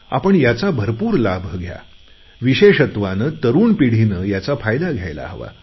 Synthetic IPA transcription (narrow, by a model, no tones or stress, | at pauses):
a̰pəɳjat͡sabʱəɾpuːɾlabʱəɡʱja̰ | ʋiɕeɕət̪ʋanət̪əɾuːnpiɽ̤inəjat͡safajd̪aɡʱjajla̰ɦəʋa̰